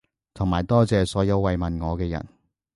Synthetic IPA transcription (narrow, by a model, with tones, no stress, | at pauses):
t̪ʰʊ˨˩ŋmaː˨˩jt̪ɔː˥t͡sɛː˨sɔː˨˥jɐ˨˧wːɐ˨jmɐ˨nŋɔː˨˧kɛː˧jɐ̰˨˩n